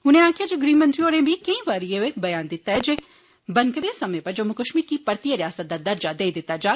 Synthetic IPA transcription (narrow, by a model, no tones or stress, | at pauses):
ɦʊnẽaːkʰjad͡ʒeɡɾiːmɐ̃nt̪ɾioːɾẽbʱikɐ̃ĩʋaːɾijeʋebɐjaːnd̪ɪt̪ːaɦɛd͡ʒe | bɐ̃ŋkd̪esɐməjẽpɐɾd͡ʒɐmːukəʃmiːɾkipɐɾt̪ijəɾjaːsət̪̚d̪ad̪ɐɾd͡ʒad̪eːid̪ɪt̪ːad͡ʒaː